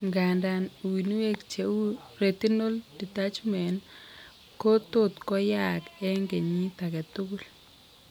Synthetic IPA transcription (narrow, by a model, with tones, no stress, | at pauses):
ŋɡa˨nda˨n˨wi˨nu˦we˦kt͡ʃe˨u˦ɾe˨t̪i˦no˦ldi˨ta˦t͡ʃmɛ˨n | ko˦t̪oʊ˦t̪kɔ˦ja˦˨kɛ˦ŋɡe˨ɲi˦t̪a˨kɛ˨t̪ʊ˦ɡu˦l